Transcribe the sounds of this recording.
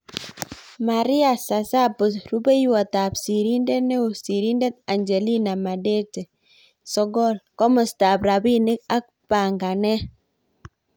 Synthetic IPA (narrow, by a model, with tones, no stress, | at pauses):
ma˨ɾi˦a˨sa˨sa˦pɔ˨sɾu˦be˦jwa˨ta˨psi˨ɾi˦nde˦nɛ˦u˨si˨ɾi˦ndɛ˦t̪̚a˨ɲd͡ʒe˨li˦na˨ma˨de˦te˨ | sɔ˦ɡɔ˦˨lkɔ˦mɔ˨sta˨bɾa˨bi˦nɪ˦k̚a˦k̚pa˨ŋɡa˨nɛ˦